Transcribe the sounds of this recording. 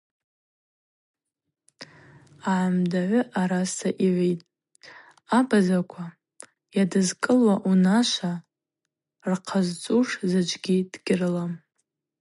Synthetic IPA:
aʕamdaʕʷʊʔaɾasaʔiʕʷejtʼ | abazakʷʰa | jadɨzkʼɨlwaʔunaʃʷa | rqʰazt͡sʼuʂzɨd͡ʒʷʼɡʲid̥ɡʲɪrɨlam

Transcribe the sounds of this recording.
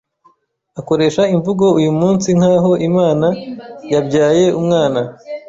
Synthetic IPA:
ako̞ɾe̞ːʃaiɱvuɡoujumuːnsiŋ̥haːɦo̞ʔimaːnajabɟaːje̞umŋaːna

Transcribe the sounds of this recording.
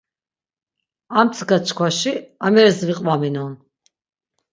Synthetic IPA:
amt͡s̪ʰɡat͡ʃkʰwaʃiamɛɾɛsviqʼvaminɔn

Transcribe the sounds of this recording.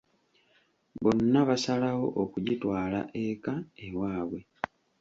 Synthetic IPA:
βo̞nːaβasalawo̞ʔokuɟitwaːla̰ʔekaewaːβwe̞

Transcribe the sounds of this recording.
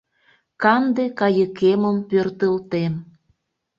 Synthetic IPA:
kɑnd̪ekɑjəkeməmpørt̪əlt̪en

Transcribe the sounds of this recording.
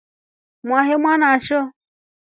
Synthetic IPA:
mʷaɦemʷanaʃo

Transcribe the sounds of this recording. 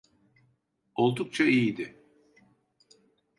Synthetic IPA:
o̞lˠd̪uk̚t͡ʃʰaijid̪ɪ

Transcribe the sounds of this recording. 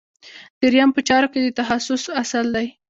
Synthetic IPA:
d̪̥əɾjampət͡ʃɑɾoked̪ət̪aɦasʊsasald̪aj

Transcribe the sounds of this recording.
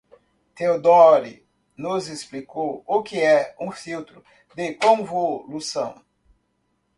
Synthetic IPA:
t̪ewd̪ɔɾḭ | nʊzesplikowokɪɛũfiwt̪ɾʊ | d̪ɪkõvolusɐ̃w̃

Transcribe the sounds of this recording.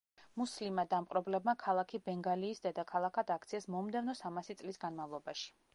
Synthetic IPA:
muslimad̪amqʼɾɔblɛbmakʰalˠakʰibɛŋɡaliːsd̪ɛd̪akʰalˠakʰad̪ak̚ʰt̪sʰiɛsmɔmd̪ɛvnɔsamasit̪sʼlisɡanmavlˠɔbaʃi̥

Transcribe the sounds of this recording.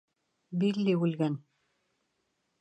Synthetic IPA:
bilːiulɣæn

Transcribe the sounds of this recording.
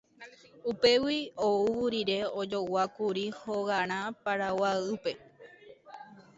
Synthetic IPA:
upe̞wiouwuɾiɾe̞od͡ʒo̞wakuɾihoɣaɾ̃ãpaɾawaɨpe̞

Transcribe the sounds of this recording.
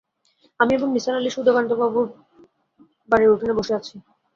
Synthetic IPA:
amiebonmisalaliʃud̪ʱokant̪obabuɾ | baɾeoʈʰineboʃeat͡ɕʰi

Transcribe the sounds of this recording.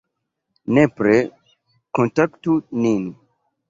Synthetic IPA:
nepɾe | kontaktunin

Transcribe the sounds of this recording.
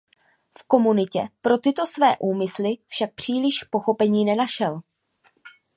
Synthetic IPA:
fko̞munɪcɛpɾo̞t̪ɪt̪o̞svɛːʔuːmɪslɪfʃak̚pr̝̥iːlɪʃpo̞xo̞pɛɲiːnɛnaʃɛl

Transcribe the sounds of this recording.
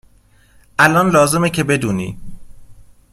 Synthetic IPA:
ʔælɒːnlɒːze̞mecʰebe̞d̪uːnḭː

